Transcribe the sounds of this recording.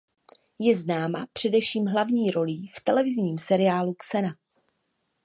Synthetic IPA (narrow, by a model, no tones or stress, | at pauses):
jɛznaːma̰pr̝̥ɛdɛfʃiːmɦlavɲiːɾo̞liːft̪ɛlɛvɪzɲiːmsɛɾɪaːluksɛna